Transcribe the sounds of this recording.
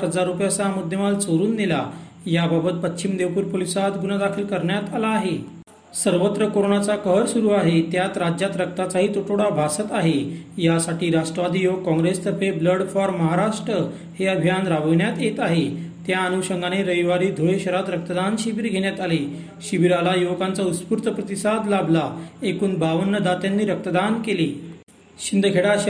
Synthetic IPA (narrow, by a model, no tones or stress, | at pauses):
ɦəd͡zaɾːupjat͡samud̪ʱjəmalt͡soɾuːnːela | jababət̪̚pət͡ɕːɕimd̪eʋpuːɾpolisat̪ɡunad̪akʰiːlkəɾɳjat̪alaːɦe | səɾʋət̪ɾəkoɾoɳat͡sakəɦəɾsuɾuːaɦet̪jat̪ɾad͡ʑjat̪ɾək̚t̪at͡saɦiːt̪oʈʰoɽabʱasət̪aɦejasaʈiːɾaʂʈɾəʋad̪ʱijoɡ̚kɔ̃ŋɡɾest̪əpʰebləɽfɔɾməɦaɾaʂʈɾə | heəbʱijanɾaʋəʋɳjat̪et̪aɦet̪jaənuɕəŋɡaneɾəiʋaɾiːd̪ʱoeɕəɾat̪ɾək̚t̪əd̪anɕiʋiɾɡʱeɳ̃jat̪ale | ɕiʋiɾalajokant͡sauspuɾt̪ʰəpɾət̪isad̪lablaekuːnbaʋənːəd̪at̪janːiːɾək̚t̪əd̪ankeliː | ɕind̪əɡʱeɽaɕ